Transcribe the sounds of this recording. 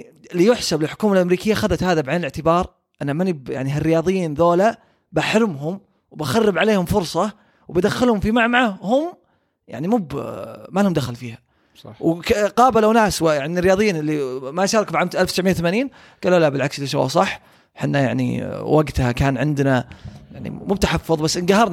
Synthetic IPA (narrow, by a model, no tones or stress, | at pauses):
lːijʊħsablɪlħʊ̥kuːmalʔamɾiːkɪjːaxaðat̪haːðabʕeːnɪlɪʕt̪ɪbɑːɾˤ | ʔɪnːamanija̰ʕniɦarːɪjɑːðˤɨjːiːnðoːla | baħɾɪmɦʊm | wbaxarːɪbʕaleːhʊmfʊɾsˤɑ | wbad̪axːɪlhʊmfimaʕmaʕahʊm | ja̰ʕnimubmalhʊmd̪axalfiːha | wkqɑːbalawnaːswjaʕnrːɪjɑːðˤɨjːiːnʔɪlːimajʃɑːɾˤɑkfiʕaːmt̪ʔalft̪ɪ̥sʕmɪjːawθamaːniːn | ɡ̥aːlːuːlabɪlʕaksɪlːiʃ̬a̰wːa̰sˤɑħː | ħɪnːaja̰ʕnḭwaɡt̪hakaːnʕɪnd̪najaʕnḭmub̚t̪aħɑfːʊðˤbasːʔɪnɡahɑɾˤn